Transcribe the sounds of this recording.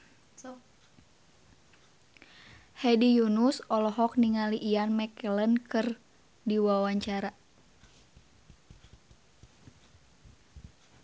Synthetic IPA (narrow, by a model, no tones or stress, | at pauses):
hɛdijunusɔlɔɦɔk̚niŋaliʔianmɛkələnkɨr | diwawaɲt͡ʃaɾa